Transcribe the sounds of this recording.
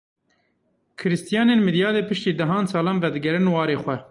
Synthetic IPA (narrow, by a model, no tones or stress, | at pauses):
kʰɨɾɨst̪ijɑːneːnmɨd̪jɑːd̪eːpɨʃt̪iːd̪ɛɦɑːnsɑːlɑːnvɛd̪ɨɡɛɾɨnwɑːɾeːxwɛ